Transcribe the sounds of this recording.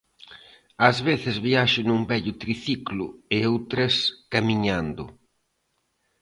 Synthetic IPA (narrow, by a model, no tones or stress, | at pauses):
ɐzβeθɪzβiaʃʊnumbɛʎʊt̪ɾiθiklʊ̰ɪowt̪ɾɐskamiɲand̪ʊ̰